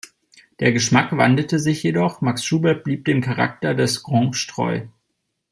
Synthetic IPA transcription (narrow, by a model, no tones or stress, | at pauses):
d̥eːɐɡəʃmakv̥andətəzɪçjedɔχmaksʃuːbɛb̥liːp̚d̥eːmkʰaʁa̰k̚tɐdɛsɡ̥ʁɔŋʃtʁ̥ɔ̰ʏ